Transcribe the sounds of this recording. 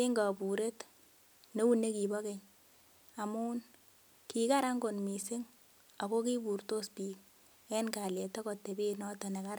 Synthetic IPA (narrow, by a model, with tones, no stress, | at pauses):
e˦ŋɡa˨pu˨ɾe˦t | no˦u˦ne˦ki˨bɔ˦ke˨ɲ | a˨muː˦n | ki˨ka˦ɾa˦ŋɡo˨nmi˨se˦ŋ | a˨ko˦ki˦bu˨ɾto˦spi˦k̚ | ɛ˦nka˨le˨tɔ˦kɔ˨te˨be˦nɔ˦tɔ˨ne˨ka˦ɾa˦